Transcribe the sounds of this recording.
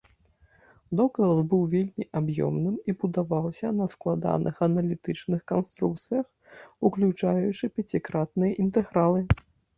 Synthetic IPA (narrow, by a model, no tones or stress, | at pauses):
d̪ɔkɐlbɨwvʲelʲmʲiʔabjɔ̰mnɨmibud̪avawsʲɐnɐsklˠad̪a̰nʔɨxɐnɐlʲit̪ɨt͡ʂnɨxkanst̪ɾuk̚t̪sɨjɐx | uklʲut͡ʂajut͡ʂɨpʲɛt͡sʲikɾat̪̚nɨjɐʔint̪ɛɣɾalˠɨ